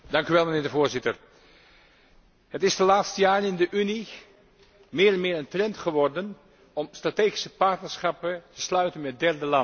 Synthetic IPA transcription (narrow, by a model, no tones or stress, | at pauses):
dɑŋkyʋɛlˠmənɪːɹdəvoːɹzɪtər | hətɪsdəlaːtstəjaːɹənɪndəʔyni | mɪːɹɛnmɪːɹəntrɛntχəʋɔrdən | ɔmstrateːχisəpɑɹtnəɹsχɑpətə̥slœɥtənmɛt̚dɛɹdəlɑ